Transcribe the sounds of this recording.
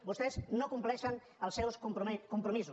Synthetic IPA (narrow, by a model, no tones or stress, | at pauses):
bost̪eznokumplɛʃan | əlˠsɛwskupɾkumpɾomisu